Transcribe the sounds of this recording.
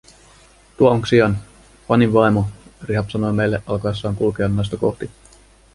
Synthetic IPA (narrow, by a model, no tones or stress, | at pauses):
t̪uɑoŋksiɑn | pɑniʋʋɑjmoriɦɑpsɑno̞jmejlːeʔɑlkɑjsːɑːŋkulk̟eɑnːɑjst̪ɑkoht̪i